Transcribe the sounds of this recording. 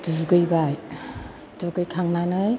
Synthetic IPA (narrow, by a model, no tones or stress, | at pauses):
duzuɡɯjbaj | dɔɡɯjkʰaŋnanaj